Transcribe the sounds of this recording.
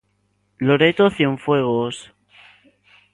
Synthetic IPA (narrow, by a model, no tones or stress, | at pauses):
loɾet̪oθjeɱfweɣ̞os